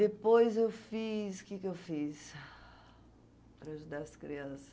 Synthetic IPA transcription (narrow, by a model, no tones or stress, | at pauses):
d̪epojzewfisʊ̥kɪkewfis | pɾɐaʒud̪aɾɐskɾiɐ̃sɐ̥